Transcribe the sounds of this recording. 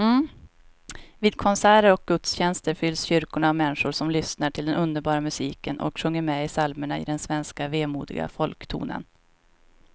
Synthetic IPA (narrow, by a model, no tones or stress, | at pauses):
viːd̪kʰɔnsæːɾəɾɔk̚ɡ̥ɵt̪sɕɛnst̪əɾfʏlːsɕʏɾkʊɳaavmɛnːʂʊɾʂɔmlʏsnaʈʰɪld̪ɛnɵnd̪əɾbɑːɾamɵsiːkənʔɔ̰kɧɵŋːəɾmɛɪsalməɳaɪ̰d̪ɛnsvɛnskaveːmuːd̪ɪ̰ɡa̰fɔlkt̪ʰṵːnə̰n